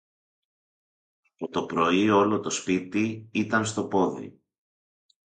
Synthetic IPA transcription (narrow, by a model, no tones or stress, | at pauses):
pot̪o̞pɾo̞io̞lo̞t̪o̞spit̪iit̪ɐnst̪o̞po̞ðḭ